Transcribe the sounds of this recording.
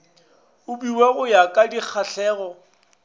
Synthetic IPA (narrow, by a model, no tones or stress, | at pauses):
ʊbiweɣʊjakʼadik͡xʰaɬʰɛːɣɔ